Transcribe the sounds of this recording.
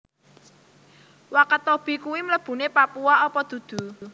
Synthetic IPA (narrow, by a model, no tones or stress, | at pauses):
wakət̪ɔb̥i̤kuwimləb̥ṳnepapuaɔpɔd̪̥ṳd̪̥ṳ